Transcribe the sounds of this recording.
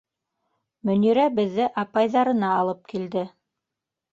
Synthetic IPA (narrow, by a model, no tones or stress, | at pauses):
mɵ̆niɾæbɘ̆ðːɘʔɑpɑjðɑɾɤ̆nɑːlˠɤp̚kild̪ɘ